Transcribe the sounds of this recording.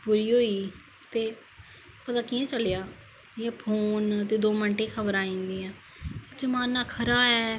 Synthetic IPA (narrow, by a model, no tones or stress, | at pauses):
puːɾiːɦoːiː | t̪eː | pət̪aːkiɛ̃ːt͡ʃəljaː | jɛ̃ːpʰoːnt̪eːd̪oːməɳʈẽːkʰəbəɾaːĩːnd̪iːɛ̃ː | ked͡ʒəmaːnːaːkʰəɾaːɛː